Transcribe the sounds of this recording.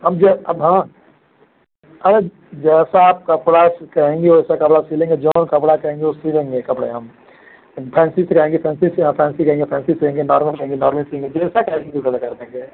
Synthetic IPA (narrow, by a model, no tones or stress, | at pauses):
ɦɐmd͡ʒɛɐbɦãː | ɐɾe | d͡ʒɛːsaːp̚kɐpɽaskɐɦẽːŋɡeoɛsakɐpɽasiːlẽːŋɡed͡ʒoːnkɐpɽakɐɦẽːŋɡeosiːlẽːŋɡekɐpɽḛɦɐm | pʰɛ̃ːnsisekɐɦẽːŋɡepʰɛ̃ːnsiseãpʰɛ̃ːnsikɐɦẽːŋɡepʰɛ̃ːnsiseɦẽːŋɡenɔːɾməlskɐɦẽːŋɡenɔːɾməlseẽŋɡed͡ʒɛːsakɐɦẽɡikokəlakɐɾd̪eẽŋɡe